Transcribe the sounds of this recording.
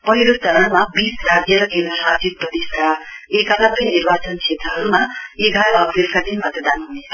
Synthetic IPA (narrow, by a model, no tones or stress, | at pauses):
pʌɦiɾosʌnʌnmabisrad͡zjʌɾʌkẽnd̪rʌɾad͡zit̪̚prʌt̪iskaekalapʌjnirbat͡sʌnsʰet̪ʌɦʌɾumaeɡaɾʌʌbrelkad̪inmʌt̪ʌd̪anɦunet͡sʰʌ